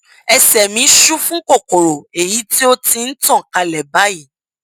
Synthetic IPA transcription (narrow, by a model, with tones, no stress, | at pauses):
ɛ˧sɛ˨mĩ˨˦ʃu˦fũ˦ko˦˨ko˨ɾo˨e˨ji˨˦ti˦o˦ti˧n̩˦tɔ̃˦˨ka˧lɛ˨ba˨˦ji˦˨